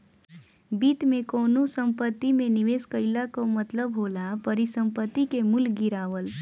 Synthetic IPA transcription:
biːt̪mẽkoːnosə̃mpət̪ːimẽnɪʋeːskəɪlakomɐt̪ləbɦoːlapəɾisə̃mpət̪ːikemʊlɡɪɾaːʋəl

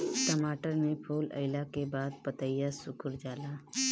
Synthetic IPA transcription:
ʈəmaːʈəɾmẽpʰoːlə̰ɪlakebaːd̪̚pət̪əɪjasʊkʊɾd͡ʒaːlaː

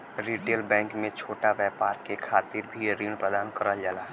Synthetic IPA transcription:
ɾiːʈeːlbɛ̃ːŋkmẽt͡ʃʰoːʈaʋjɛːpaːɾkekʰaːt̪ɪɾbʱiɾiːɳpɾəd̪aːnkəɾəld͡ʒaːlaː

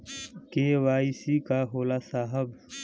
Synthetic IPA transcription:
kewaːisikaɦoːlasaːɦəb

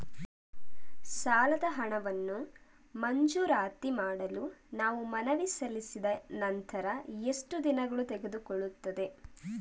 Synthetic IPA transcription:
saːlɐd̪ɐɦɐɳɐʋɐnːu | mɐɲd͡ʒuːɾaːt̪imaːɽɐlunaːʋumɐnɐʋisɐlisid̪ɐnɐnt̪ɐɾɐesʈud̪inɐɡɐɭut̪ɛɡe̞d̪ukɔɭːut̪ːɐd̪e̞

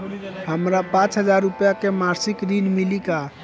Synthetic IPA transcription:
ɦəmɾapãt͡ʃɦəd͡ʒaɾːupjakemaɾsikɾinmilika

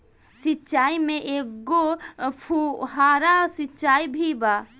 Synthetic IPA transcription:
sitːt͡ʃaːimẽʔeopʰuɦaːɾasitːt͡ʃaːibʱibaː

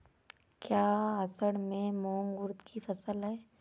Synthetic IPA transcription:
kjaːɐsəɽmẽmoːŋɡʊɾd̪kʰifɐsəlɦɛː

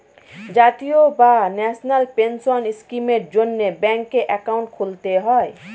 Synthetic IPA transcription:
d͡ʒat̪ijobanɛsʰnalpensɔniskimeɾd͡ʒonːebɛŋkːeʔɛkaw̃ɳʈkʰolt̪eɦɔj

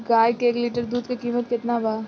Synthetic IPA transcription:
ɡaːjkeeːkliːʈəɾd̪uːd̪kikiːmət̪̚kɪt̪naba

